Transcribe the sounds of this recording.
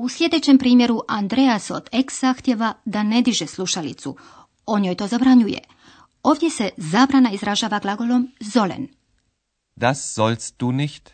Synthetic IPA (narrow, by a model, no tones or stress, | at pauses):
uslʲje̞d̪e̞t͡ɕempɾiːmje̞ɾuʔand̪ɾeaso̞̰d̪̥eksz̥axt̪je̞ʋad̪ane̞d̪iʒeslˠuʃalḭt̪sṵ | o̞ɲoːjt̪o̞zabɾaɲujḛ | o̞ːʋd̪je̞se̞zaːbɾanaizɾaʒaːʋaɡlˠaɡo̞lo̞mzo̞lḛn | d̥̪asz̥ɔlst̚d̥uːnɪçt